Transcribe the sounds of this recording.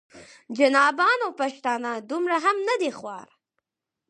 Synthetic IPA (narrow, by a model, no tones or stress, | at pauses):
d͡ʒanɑbɑnopaʃt̪ɑnad̪umɾaɦamnad̪exwɑ̰ɾ